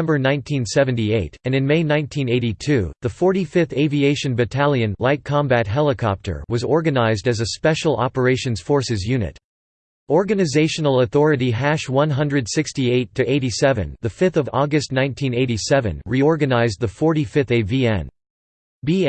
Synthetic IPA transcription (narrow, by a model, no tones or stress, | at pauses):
mbə˞nãɪ̃ntʰĩnsɛvɨ̃n̩tieɪɾɨ̃nɨ̃nmeɪnãɪ̃ntʰĩneɪɾitʰʉðəfɔɹɾifɪθeɪvieɪʃɨ̃nbɨtʰælˠjɨ̃nlaɪt̚kʰɑ̃mbæt̚ɦɛlˠəkʰɑp̚tʰə̰˞wʌzɔɹɡɨnaɪzdɨzɨspɛʃl̩ˠɑ̰pə˞eɪʃɨ̃nz̥fɔɹsɨzjʉnɨ̰t | ɔɹɡɨnɨzeɪʃɨnl̩ˠəθɔɹɨɾiɦæʃwʌ̃nɦʌ̃ndɹɨd̥sɪkstieɪtʰɨʔeɪɾisɛvɨ̰̃nðɨfɪθʌvɔ̰ɡɨstⁿnãɪ̃ntʰĩneɪɾisɛvɨ̰̃nɹiɔɹɡɨnaɪz̚ðəfɔɹɾifɪθeɪviɛ̰̃n | bi